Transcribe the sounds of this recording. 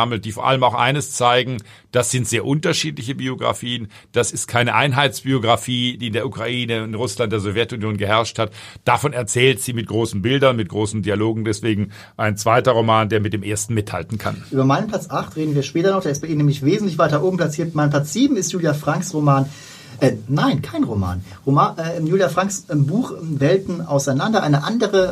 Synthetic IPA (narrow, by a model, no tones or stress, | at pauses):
aml̩t̚d̥iːfoːɐʔaləmaʊxʔa̰ɪnəst͡saɪɡŋ̩ | d̥asz̥ɪntz̥eːɐʔʊntɐʃiːtlɪçəbioɡʁa̰fiːən | d̥asɪstkʰaɪnəʔaɪnɦaɪtt͡sb̥ioɡʁafiːd̥iːɪndeːɐukʁ̥aʔiːnəɪnʁʊslant̚d̥eːɐzɔvjɛtʊnjoːnɡəhɛɐʃthatd̥afɔnɛɐt͡sɛːltz̥iːmɪt̚ɡ̥ʁoːsn̩bɪldɐnmɪt̚ɡ̥ʁoːsn̩dialoːɡŋ̩dɛsv̥eːɡŋ̩ | ʔaɪnt͡sv̥aɪtɐʁomaːndeːɐmɪt̚d̥eːmʔeːɐstn̩mɪtha̰ltn̩kʰa̰nʔyːbɐmaɪnənmpl̥at͡sʔaχtʁ̥eːdn̩viːɐʃpɛːtɐnɔχd̥eːɐɪs̚baɪʔiːnɛmlɪçveːzn̩tlɪç̬v̥aɪt̚d̥aʔoːbm̩pl̥at͡siːɐtmaɪnpʰlat͡sz̥iːbm̩ɪstjuːljafʁ̥aŋksʁomaːn | ʔɛnaɪnkʰaɪnʁoma̰ːn | ʁomaːʔɛjuːljafʁ̥aŋksbuːχvɛltn̩ʔa̰ʊsaɪnandɐʔa̰ɪnəʔandəʁə